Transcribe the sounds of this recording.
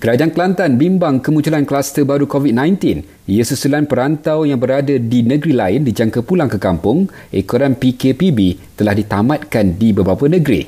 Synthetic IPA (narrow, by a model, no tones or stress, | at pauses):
kəɾad͡ʒaankəlant̪anbimbaŋkəmũɲt͡ʃulanklast̪əbaɾukovit̚nãjnt̪in | ijəsəsulanpəɾant̪awjaŋbəɾadadinə̃ɡɾilaɪndid͡ʒaŋkapulaŋkəkampʊŋ | ʔekoɾanpikepibit̪əlahdit̪amãt̪̚kandibəbapanə̃ɡɾḭ